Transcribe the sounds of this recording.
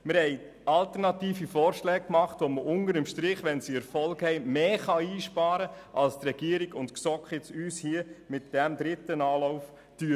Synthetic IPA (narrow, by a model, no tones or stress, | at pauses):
məɾhɛɪ | ɑlt̪əɾnɑt̪iːfifɔːɾʃlɛːk̚kmɑχtʋoməʔʊndəɾəmʃtɾɪχʋɛnsiɛɾfɔlɡhɛɪmeːχɑiːʃpɑːɾə | ʔɑ̰lstrɛɡ̥iəɾiɡʊntksɔkχɪt͡syːshiəmɪtd̥ɛmd̪ɾɪt̪ənɑːlɔʊf | ty